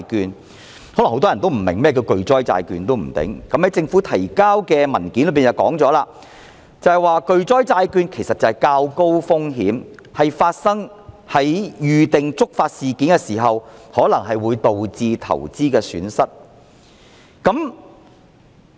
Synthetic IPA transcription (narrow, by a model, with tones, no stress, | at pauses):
jkyː˧n | hɔː˨˥lŋht̪ɔː˥jɐ˨nt̪o˥wm̩˨˩mɪ̰˨˩ŋmɛː˥˩kɛ˧wkɵ˨˧ɥt͡sɔː˥jt͡sa̰ː˧jkyː˨˧nt̪o˥wm̩˨˩t̪ɪ̰˨˥ŋkɐ˨˦mhɐ˨˥jt͡sɪ˧ŋfu˨˥t̪ʰɐ˨˩jkaː˥wkɛː˧mɐ˨˩nki˨˥nlpiː˨nt͡sɐ˨wkɔː˨˥ŋt͡sɔː˨˥laː˧ | t͡sɐ˨˧hɐ˨jwaː˧kɵ˨˧ɥt͡sɔː˥jt͡saː˧jkyː˧nkʰe˨˩jsɐ˨t̚t͡sːɐ˨hɐ˨jkaː˧wko˥wfʊ˥ŋɦiː˨˥mhɐ˨jfaː˧t̚sɐ˥ŋ | hɐ˨˥jjyː˨t̪ɪ˨ŋt͡sʊ˥k̚faː˧t̚siː˨kiː˨˥nkɛ˧siː˨˩ɦɐ˨whɔː˨˥lɐ˨˩ŋɦɐ˨jwuː˨˧jt̪o˨wt͡siː˨˧t̪ʰɐ̰˨˩wt͡siː˥kɛː˧sy̰ː˨˥nsɐ˥t̚ | kɐ˨˥m